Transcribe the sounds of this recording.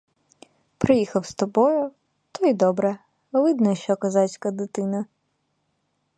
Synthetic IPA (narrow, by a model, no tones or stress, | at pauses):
pɾɪjixɐwst̪ɔbɔjʊ | t̪ʰɔjd̪ɔbɾɛ | ʋɪd̪nɔʃt͡ʃɔkɐzɑt͡sʲkɐd̪ɪt̪ɪnɐ